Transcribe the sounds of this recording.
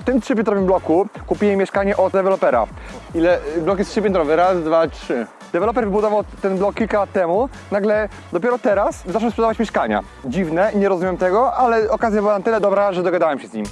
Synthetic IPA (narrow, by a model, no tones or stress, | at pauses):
ft̪ɘmtʂɘpʲjɛnt̪ɾɔvɘmblɔkukupʲijɛmʲjɛʂkaɲɛʔɔd̪d̪ɛvɛlɔpɛɾa̰ | ilɛblɔkjɛstʂɘpʲjɛnt̪ɾɔvɨɾazd̪vatʂɘ | d̪ɛvɛlɔp̬ɛɾvɘbud̪ɔvawt̪ɛnblɔkːʲilkalat̪ːɛmu | naɡlɛ | d̪ɔpʲjɛɾɔt̪ɛɾaszat͡ʂɛwspʂɛd̪avat͡ɕmʲjɛʂkaɲa̰ | d͡ʑivnɛɲɛɾɔzumʲamt̪ɛɡɔʔalɛɔkazʲjabɘwanat̪ɘlɛd̪ɔbɾaʐɛd̪ɔɡad̪awɛmɕɛzɲḭm